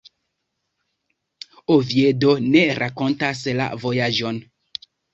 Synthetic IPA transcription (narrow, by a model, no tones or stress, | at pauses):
oviedoneɾʔakontasla̰vojaʒon